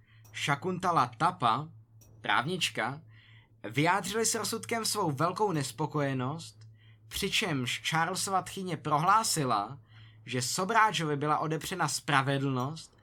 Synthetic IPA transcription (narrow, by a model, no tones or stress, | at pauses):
ʃakunt̪alat̪apap̪ɾa̰ːvɲɪt͡ʃka | vɪjaːdr̝ɪlɪsɾosut̪kɛmsvo̞wvɛlko̞wnɛspo̞ko̞jɛno̞st̪̚ | pr̝̥ɪt͡ʃɛmʃt͡ʃaːɾlsvat̪xɪɲɛpɾo̞ɦlaːsɪla̰ | ʒɛso̞bɾaːt͡ʃovɪbɪlaʔo̞dɛbr̝̥ɛnaspɾavɛdl̩no̞st̪̚